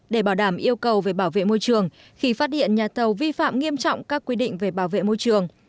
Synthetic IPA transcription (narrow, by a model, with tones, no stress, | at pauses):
ɗe˧˩ɓaː˧˩wɗaː˧˩mʔi˧əwkə˨˩wve˨˩ɓaː˧˩wvḛ˧˨mo˧jt͡ɕɨ˨˩əŋ | xi˧faː˦˥t̚hḭ˧˨ənɲaː˨˩t̪ʰə˨˩wvi˧fa̰ː˧˨mŋi˧əmt͡ɕɔ̰˧˨wŋ͡mkaː˦˥kːwi˧ɗḭ̈˧˨ŋ̟ve˨˩ɓaː˧˩wvḛ˧˨mo˧jt͡ɕɨ˨˩əŋ